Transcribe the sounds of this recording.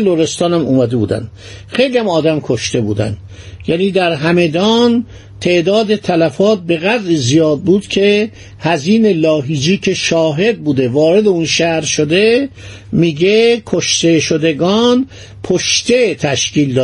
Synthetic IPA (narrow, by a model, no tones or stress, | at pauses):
loɾest̪ɒːnæmuːmæd̪ebṵːd̪æ̰nd̪̥ | xejlijæmɒːd̪æmkʰoʃt̪e̞bṵːd̪æ̰nd̪ | jæniːd̪æɾɦæme̞d̪ɒːn | t̪ʰe̞ʔd̪ɒːd̪et̪ʰælæfɒːt̪̚be̞ɣæd̪ɾiːzijɒːd̪̚buːd̪̥cʰe̞ | hæziːne̞lɒːɦiːd͡ʒiːcʰe̞ʃɒːɦe̞d̪̚buːd̪evɒːɾe̞d̪eunʃæhɾʃod̪e̞ | miːɡekʰoʃt̪e̞ʃod̪eɡɒːn | pʰoʃt̪et̪ʰæʃciːld̪ɒː